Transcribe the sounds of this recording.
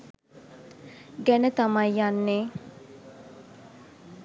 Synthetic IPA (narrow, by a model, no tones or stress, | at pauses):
ɡænət̪amajjanːeː